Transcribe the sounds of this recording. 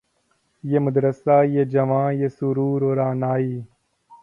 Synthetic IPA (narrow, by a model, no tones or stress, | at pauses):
jeːməd̪ɾəsaːjeːd͡ʒɐʋãːjeːsuɾuːɾoːɾaːnaːiː